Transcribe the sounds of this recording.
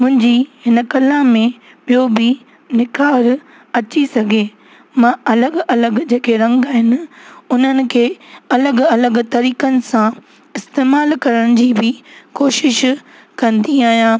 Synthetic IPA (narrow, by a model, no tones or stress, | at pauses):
mʊ̃ɦɪ̃ɲd͡ʑiɦɪnə̆kɐlãmẽ | ɓijobɪ | nɪkaːɾ | ɐt͡ɕisɐɡʱeː | mãɐləɡɐləɡd͡ʑeːkʰeɾɐ̃ŋɡaːɦɪnɪ̆ʊn̤ənɪ̆kʰeːɐləɡɐləɡt̪ɐɾiːkənɪ̆sã | ɪst̪eːmaːlkɐɾəɽ̃ɪ̆d͡ʑiːbɪkoːʃɪʃ | kɐ̃nd̪iaːɦijãː